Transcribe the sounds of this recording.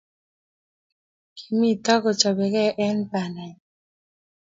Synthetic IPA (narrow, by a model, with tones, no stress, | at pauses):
kʰi̥˨mi˦tɔ˦kɔ˨t͡ʃɔ˨bɛ˨kɛ˦ʔɛ˦npa˨nɛ˨